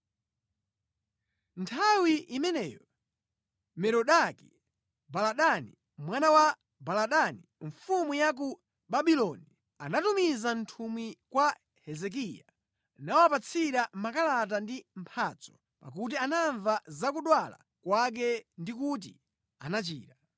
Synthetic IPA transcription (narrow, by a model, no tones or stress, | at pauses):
ntʰawiʔimɛnɛːjɔ | mɛɾɔɗaki | balaɗani | mwanawa | balaɗaniɱfumujak̬u | ɓaɓilɔni | anatumizantʰumwikwa | hɛzɛk̬ija̰ | nawapat͡sʰiɾamakalat̬andim̩pʰaːt͡sɔ̥ | pa̰k̬ut̬ianaɱvazak̬uɗwala̰ | kwak̬ɛndik̬ut̬ḭ | anat͡ʃḭːɾa